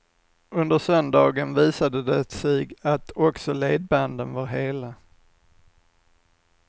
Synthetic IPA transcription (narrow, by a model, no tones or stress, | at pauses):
ɵnd̪əɾsœnd̪ɑːɡənviːsad̪əd̪ɛɛt̪siːɡat̪ʰɔksɔleːd̪̚band̪ənvaɾɦeːla